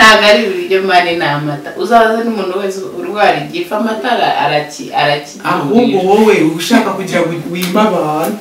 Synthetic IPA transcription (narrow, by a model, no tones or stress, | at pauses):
aɡaɾiβiβjomanenamataʔuzaβazanumuːnuwesuɾiwaaɾiɟifamataɾa̰a̰ɾaciaɾaci̥auːɡowoweuuʃaːkakuɟiɾawiːmaβaːnu